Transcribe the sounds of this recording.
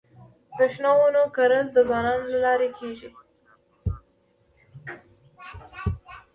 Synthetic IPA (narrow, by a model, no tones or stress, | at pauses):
d̪̥əʃnɑwənokaɾəld̪əzwɑnɑnolalɑɾekʰeʒi